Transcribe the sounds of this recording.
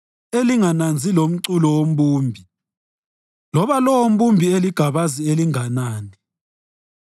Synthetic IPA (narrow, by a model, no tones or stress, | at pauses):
eliŋanand͡zʱilom̩ǀulɔwom̩buːmbʱi | lɔβalɔwom̩bumbʱieliɡ̥ʱaβazieliŋanaːni